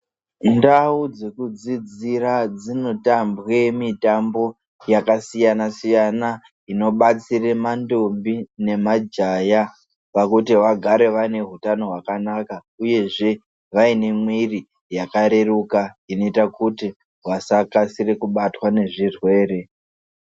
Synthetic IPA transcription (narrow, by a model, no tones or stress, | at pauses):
ndaud͡ze̞kud͡zid͡zirad͡zino̞tambwe̞mitambo̞ | jakasijanasijana | ino̞ɓat͡siremando̞mbine̞mad͡ʒaja | pakutiwaɡʱaɾe̞ʋaine̞ɦutano̞ɦwakanaka | uje̞ʐe̞ | ʋaine̞mwiri | jakaɾe̞rukaino̞itakuti | wasakasire̞kuɓatwane̞ʐirwe̞ːre̞